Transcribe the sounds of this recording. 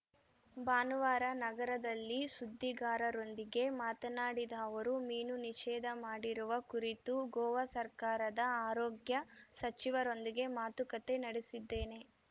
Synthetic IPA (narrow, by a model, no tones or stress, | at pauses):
baːnuʋaːɾɐnɐɡɐɾɐd̪ɐlːisud̪ʱːiɡaːɾɐɾo̞nd̪iɡe̞maːt̪ɐnaːɽid̪ɐːʋɐɾumiːnuniʃɛːd̪ʱɐmaːɽiɾuʋɐkuɾit̪uɡɔːʋɐsɐɾkaːɾɐd̪ɐaːɾoːɡjɐsɐt͡ʃiʋɐɾo̞nd̪iɡe̞maːt̪ukɐt̪e̞nɐɽesid̪ːe̞ːne̞